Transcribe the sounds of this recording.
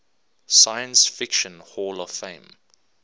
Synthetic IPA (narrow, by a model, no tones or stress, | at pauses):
saɪə̃nsfɪkʃə̃nhɔːlɔ̥fẽɪ̃m